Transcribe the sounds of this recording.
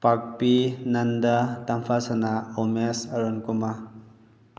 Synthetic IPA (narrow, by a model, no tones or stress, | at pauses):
pak̚pinɐndatampʰasanaomesaɾonkuma